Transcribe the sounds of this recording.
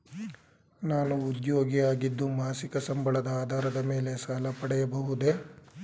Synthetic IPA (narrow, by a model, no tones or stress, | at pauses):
naːnuːd̪joːɡiaːɡid̪ːumaːsikɐsɐmbɐɭɐd̪ɐaːd̪ʱaːɾɐd̪ɐme̞ːle̞saːlɐpɐɽɛjɐbɐɦud̪e̞